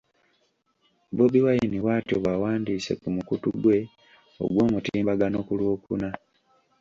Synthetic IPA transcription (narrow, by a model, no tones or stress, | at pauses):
bobiwajiniwaːtioβawaːndiːse̞̰kumukutuɡwe̞ | o̰ɡwo̞ːmutiːbaɡano̞kulwoːkṵna